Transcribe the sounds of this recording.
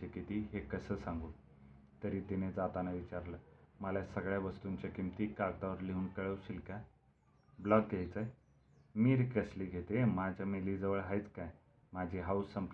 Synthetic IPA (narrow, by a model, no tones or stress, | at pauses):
ekit̪iːɦekəsəːsãŋɡuː | t̪əɾiːt̪ined͡zat̪anaʋit͡ɕaɾləməljasəɡɭjaʋəst̪uɲt͡ɕakimt̪iːkaɾt̪aʋəɾliɦuːnkəɭəwsiːlkaj | blɔɡːejt͡saj | miːɾkəsliɡʱet̪emad͡ʑamiliːd͡zəʋəɭɦajt͡skaj | mad͡ʑʱiɦausːəmp